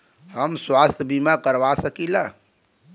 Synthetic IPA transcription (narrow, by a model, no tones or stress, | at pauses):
ɦəmswaːst̪ʰjəbimakəɾʋasəkila